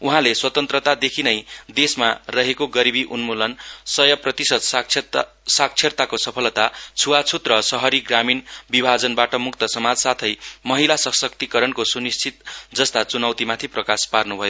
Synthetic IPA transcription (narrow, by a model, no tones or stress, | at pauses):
uɦãleswʌt̪ʌnt̪rʌt̪ad̪ekʰinʌjd̪esmarʌɦekoɡʌɾibiʔunmulʌnsʌjʌprʌt̪isʌd̪ʰ | sak̚t͡sʰert̪akosʌpʰʌlt̪at͡sʰuwat͡sʰut̪rʌsʌɦʌɾiɡraminbibʱad͡zʌnbaʈʌmukt̪ʌsʌmad͡zsat̪ʰʌjmʌɦilasʌsʌk̚t̪ikʌɾʌnkosunist͡sʰit̪̚d͡zʌst̪at͡sunʌwt̪imat̪ʰiprʌkasparnubʱʌjo